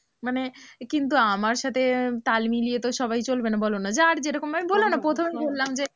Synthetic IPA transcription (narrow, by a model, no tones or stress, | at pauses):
manekint̪̬uamaɾʃat̪ʰet̪almiliet̪oʃɔbajt͡ɕolbenabolonad͡ʑeaɾd͡ʑeɾɔkomamibolonapɾot̪ʰomejbolːamd͡ʑe